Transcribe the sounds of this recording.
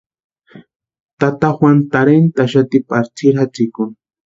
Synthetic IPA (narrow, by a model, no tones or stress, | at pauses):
t̪at̪axwant̪aɾent̪aʃ̬at̪ɪpaɾt͡sɪɾat͡sɪkʊŋ